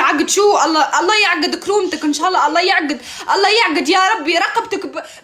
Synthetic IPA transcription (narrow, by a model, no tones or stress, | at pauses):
ʕaɡɪd̪ʃuːʔɑlˤːɑːʔɑlˤːɑːjaʕɡːɪd̪kɾuːmt̪akʔɪnʃaːʔɑlːɑːʔɑlˤːɑːjaʕɡɪd̪ | ʔɑlˤːɑːjaʕɡɪd̪jaɾˤɑbːiɾˤɑqɑbt̪akb